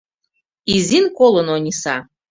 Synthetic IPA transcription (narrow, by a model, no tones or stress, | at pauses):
izinkʷʼolonanisa